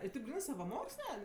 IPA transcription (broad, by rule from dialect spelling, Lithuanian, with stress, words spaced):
ɪ tʲeːp ˈɡrʲiːnɜ sɐʋɐˈmoːksʲlʲɛ